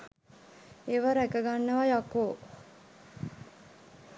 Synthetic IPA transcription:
eːʋaɾækəɡanːəʋajakoː

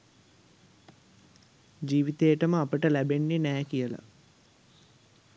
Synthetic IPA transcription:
d͡ʒiːʋit̪ejəʈəməapəʈəlæbenːenæːkijəla̰

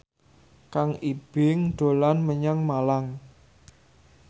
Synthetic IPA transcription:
kaŋib̥ɪŋɖ̪̥o̤lanməɲaŋmalaŋ

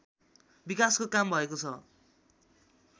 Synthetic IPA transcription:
bikaskokambʱʌekot͡sʰʌ

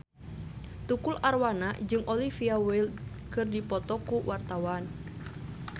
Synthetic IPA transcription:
t̪ukularwanad͡ʒɨŋʔɔlifiawil | kɨrdipɔt̪ɔkuwʔart̪awan

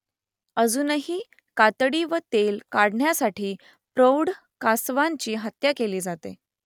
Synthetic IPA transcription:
əd͡zuːnəɦiː | kat̪ɽiːʋət̪elkaɽɳjasaʈʰiː | pɾowɽ | kasʋaɲt͡ɕiːɦət̪jakeliːd͡zat̪ḛ

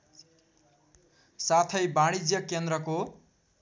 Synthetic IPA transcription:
sat̪ʰʌjbaɽ̃id͡zjʌkend̪ɾʌko

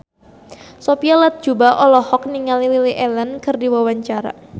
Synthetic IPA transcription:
sopialat̪̚d͡ʒ̥ubaʔɔlɔhɔk̚niŋalililiʔɛlənkɨrdiwawaɲt͡ʃaɾa̰

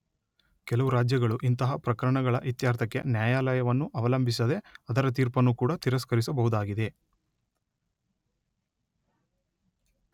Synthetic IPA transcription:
kɛlɐʋuɾaːd͡ʒjɐɡɐɭuʔint̪ɐɦɐpɾɐkɐɾɐɳɐɡɐɭɐʔʋit̪jaːɾt̪ʰɐkːḛnjaːjaːlɐjɐʋɐnːuʔɐʋɐlɐmbʱis̬ɐd̪e̞ɐd̪ɐɾɐt̪̬iːɾpɐnːukuːɽɐt̪iɾɐskɐɾis̬ɐbɐɦud̪aːɡid̪e̞

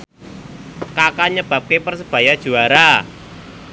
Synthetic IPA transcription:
kakaɲəb̥a̤p̚kepərsəb̥a̤jad̥ʒ̥ṳaɾa

